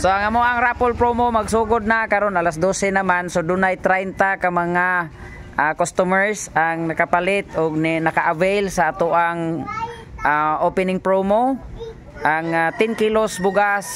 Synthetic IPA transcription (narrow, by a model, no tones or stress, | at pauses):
soaŋamoʔaŋɾapolpɾomomaɡsuɡʊd̪̚nakaɾonalas̬d̪osɛnamansod̪ʊnajt̪ɾajnt̪akamaŋa | akost̪ʊmɛɹsaŋnɐkapalɪt̪ʊɡ̚nnakaʔavejlsaʔat̪ʊʔaŋ | aʔopɛnɪŋpɾomo | ʔaŋat̪ɪnkilosbʊɡas